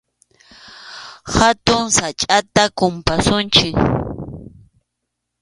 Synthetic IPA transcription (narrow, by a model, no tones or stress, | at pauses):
hat̪ʊŋsat͡ʃʼat̪akʊmpasʊnt͡ʃɪk